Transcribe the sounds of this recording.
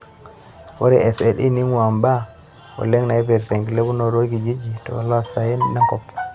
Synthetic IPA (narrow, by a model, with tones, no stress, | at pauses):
wɔ̰˦ɾɛʔɛ˨sɛɗi˦ni˦muwa˨mba˦ | wɔ̰˨lɛ˦ŋna˨jɛ˦bɛ˨ɾte˨ŋɡi˨le˦bu˦nɔɾo˦ɡid͡ʒi˦d͡ʒitɔ̰˨wa̰˨la˦sajɛ˦nːa˦ŋkɔpː